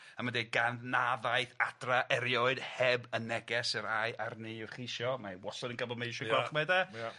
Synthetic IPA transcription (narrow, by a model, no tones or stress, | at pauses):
əmadeɡannaðaɨjθad̥raʔɛɾjɔɨd̥hɛbənɛɡɛsɨɾajʔarniːχiʃjɔmawɔsɔdənɡəbɔdmejʃɔɡwɛχmɛdɛ